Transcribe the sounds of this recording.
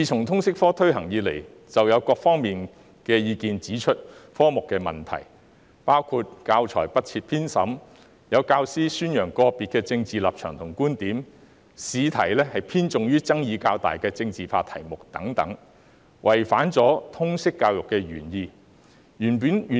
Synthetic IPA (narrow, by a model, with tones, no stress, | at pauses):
iː˨˧t͡sʰʊ˨˩ŋt̪ʰʊ˥ŋsɪ˥k̚fɔː˥t̪ʰɵ˥ɥhɐ˨˩ŋjiː˨˧le˨˩j | t͡sɐ˨wjɐ˨˧wkɔː˧k̚fɔː˥ŋmiː˨n | kɛː˧jiː˧kiː˨nt͡siː˨˥t͡ʃʰɵ˥t̚fɔː˥mʊ˨kːɛː˧mɐ̰˨˩nt̪ʰɐ̰˨˩j | paː˥wkʰu˧t̚kaː˧wt͡ʃʰɔ̰ː˨˩jpɐ˥t̚t͡sʰi˧t̚pʰiː˥nsɐ˨˥m | jɐ˨˧wkaː˧wsiː˥syː˥njœː˨˩ŋkɔː˧piː˨t̚kɛː˧t͡sɪ˧ŋt͡siː˨la̰ː˨p̚t͡ʃʰœː˨˩ŋt̪ʰʊ˨˩ŋkuː˥nt̪iː˨˥m | siː˨˧t̪ʰɐ˨˩jlɛː˥hɐ˨jpʰiː˥nt͡sʊ˨ŋjyː˥t͡sɐ˥ŋjiː˨˧kaː˧wt̪a̰ː˨jkɛː˧t͡sɪ˧ŋt͡siː˨˩faː˧t̪ʰɐ˨˩jmʊ˨k̚t̪ɐ˨˥ŋt̪ɐ̰˨˥ŋ | wʔɐ˨˩jfaː˨˥nt͡sɔː˨˥t̪ʰʊ˥ŋsɪ˥kːaː˧wjʊ˨kːɛː˧ɥyː˨˩njiː˧ | jyː˨˩npyː˨˥ny˨